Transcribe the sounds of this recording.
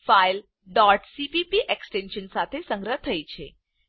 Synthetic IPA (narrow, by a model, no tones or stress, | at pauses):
fajl | ɖɔɾʈsipipiʔeksʈenɕənsat̪ʰesə̃ŋɡɾət̪ʰəjt͡ɕʰḛ